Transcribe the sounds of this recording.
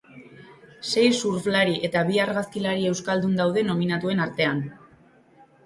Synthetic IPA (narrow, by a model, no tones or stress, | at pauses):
se̞jsuɾflaɾiʔe̞t̪aβiaɾɣaskilaɾie̞wskald̪und̪awð̞e̞no̞minat̪ue̞naɾt̪e̞an